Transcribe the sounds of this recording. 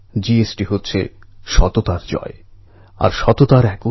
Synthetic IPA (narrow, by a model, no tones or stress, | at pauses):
d͡ʑiesʈiɦotːɕʰḛʃɔt̪ot̪aɾd͡ʑɔ̰e | a̰ɾʃɔt̪ot̪aɾɛko